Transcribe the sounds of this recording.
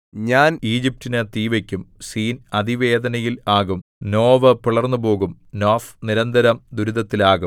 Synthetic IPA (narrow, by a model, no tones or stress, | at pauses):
ɲaːniːd͡ʑip̚tinɨt̪iːʋɐkʲːumsiːnɐd̪iʋe̞ːd̪ɐnɐjilaːɣumno̞ːʋɐpuɭɐrnːubo̞ːɣumnoːfniɾɐnd̪ɐɾɐmd̪uɾuðɐt̪ːilaːɣum